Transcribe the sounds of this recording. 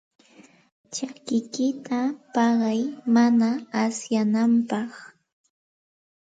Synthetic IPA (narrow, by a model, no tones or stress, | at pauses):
t͡ʃakɪkɪt̪apɑɢɑjmanaasjanampɑχ